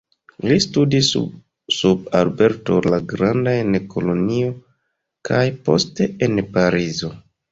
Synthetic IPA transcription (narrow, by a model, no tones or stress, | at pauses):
listudis | sub̚albe̞ɾto̞̰laɡɾandaenkʰo̞lo̞nio | kʰajpo̞̰ste̞enpaɾizo̞